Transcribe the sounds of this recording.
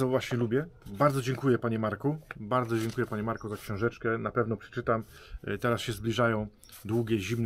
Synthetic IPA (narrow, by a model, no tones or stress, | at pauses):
ɔvwaɕɲɛlubʲjɛbaɾd̪zɔd͡ʑɛŋkujɛpaɲɛmaɾkubaɾd̪zɔd͡ʑɛŋkujɛpaɲɛmaɾkɔzakɕɔ̃w̃ʐɛt͡ʂkɛnapɛvnɔpʂɛ̥t͡ʂɘt̪amt̪ɛɾasɕɛzblʲiʐajɔ̃w̃ | d̪wuɡʲɛʑimn